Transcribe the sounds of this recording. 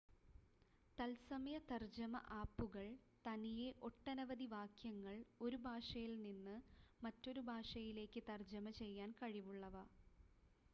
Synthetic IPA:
t̪ɐlsɐmɐjɐt̪ɐrd͡ʑɐmɐ̰ʔaːpːuɣɐɭ | t̪ɐnijeʔo̞ʈːɐnɐʋɐd̪iʋaːkjɐŋːɐɭo̞ɾubʱaːʂɐjilninːɨmɐtːo̞ɾubʱaːʂɐjile̞ːkːɨt̪ɐrd͡ʑɐmɐt͡ɕe̞jːaːnkɐɻiʋuɭːɐʋɐ

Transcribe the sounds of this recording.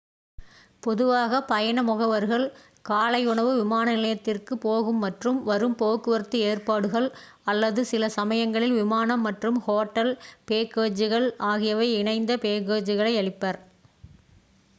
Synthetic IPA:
pɔðɯʋaːɣɐpɐjɐɳɐmʊɣɐʋɐɾɣɐɭ | kaːlɐɪʊɳɐʋɯʋɪmaːnɐnɪlɐjɐt̪ːɪrkɯpoːɣɯmːɐʈrɯmʋɐɾɯmpoːkːɯʋɐɾɯt̪ːɯeːrpaːɽɯɣɐɭ | ɐlːɐðɯsɪlɐsɐmɐjɐŋɡɐɭɪlʋɪmaːnɐmːɐʈrɯmhoːʈːɐlpeːkeːd͡ʒɯɣɐɭaːɣɪjɐʋɐɪɪɳɐɪnd̪ɐpeːkeːd͡ʒɯɣɐɭɐɪɐɭɪpːɐɾ

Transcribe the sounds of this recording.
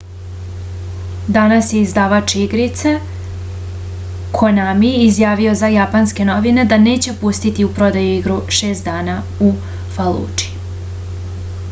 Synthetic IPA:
d̪anasjeizd̪aːʋat͡ʃiɡɾit̪se | kʰonamiizjaːʋio̞zajapanske̞no̞ʋine̞d̪ane̞ːt͡ɕe̞pust̪it̪iupɾo̞d̪ajuiɡɾuʃe̞ːst̪d̪aːna | u | falˠṵːt͡ʃi̥

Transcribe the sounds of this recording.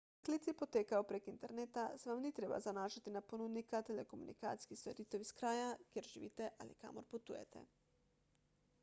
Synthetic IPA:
kliːt̪sipɔt̪eːkajopɾekint̪ɛɾneːt̪asɛʋamnit̪ɾeːba̰zanaːʃat̪inaponud̪nikat̪ɛlɛkomṵnḭka̰ːt̪si̥kist̪oɾit̪ɛwiskɾaːjakjeɾʒiʋḭːt̪ɛʔa̰lḭka̰ːmɔ̰ɾput̪ṵːjɛ̰t̪ɛ̰

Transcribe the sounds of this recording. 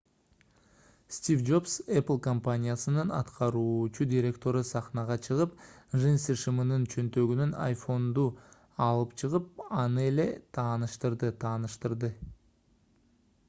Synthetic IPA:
st̪ʲivd͡ʒo̞pseplˠkompanʲijasɯnɯnɑt̪qʰɑɾuːt͡ʃud̪ʲiɾʲe̞k̚t̪o̞ɾɯsɑχnɑʁɑt͡ʃʰɯʁɯpʒensiʃɨmɯnɯnt͡ʃʰø̞nt̪ø̞ɡynyna̰jfo̞nd̪u | ɑlˠɯpt͡ʃʰɯʁɯp̚ɑnɯe̞le̞t̪ʰɑːnɯʃt̪ɯɾd̪ɯt̪ʰɑːnɯʃt̪ɯɾd̪ɯ

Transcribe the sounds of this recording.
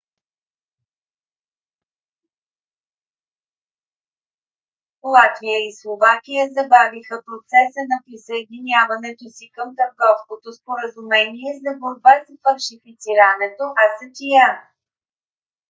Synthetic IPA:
lˠat̪vijəislˠovakijəzɐbavixəpɾot̪sɛsənɐpɾisəɛd̪inʲjavɐnɛt̪osikəmt̪əɾɡɔfskot̪ospoɾəzumɛniɛzɐboɾbasfɐlʲʃifit̪siɾənɛt̪oʔɐsət̪ʲija

